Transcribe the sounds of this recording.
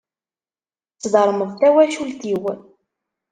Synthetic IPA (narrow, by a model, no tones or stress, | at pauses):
t͡sːðəɾˤməðˤt̪æwæʃult̪iw